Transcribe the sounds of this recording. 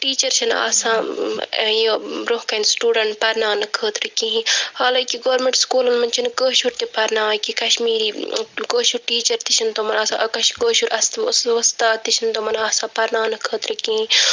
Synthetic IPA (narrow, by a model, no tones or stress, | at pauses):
ʈiːt͡ʃɐɾt͡ʃʰɐna̰ːsãː | joɾoɦkɐnsʈuːɖɐɳʈpɐɾnaːnɐkʰəːt̪ɾɨkĩɦĩhaːlaːkiɡoːɾmẽɳʈskuːlɐnmɐnt͡ʃʰinɡəːʃuɾt̪epɐɾnaːkikɐʃmiːɾiːɡoːʃuɾʈiːt͡ʃɐɾt̪iʃʰɐnt̪omɐnaːsãʔɐkɐʃɡoːʃuɾʔɐst̪sʋɐst̪aːt̪iʃʰɐnt̪omɐnaːsãːpɐɾnaːnɨkʰəːt̪ɾɨkĩːɦĩ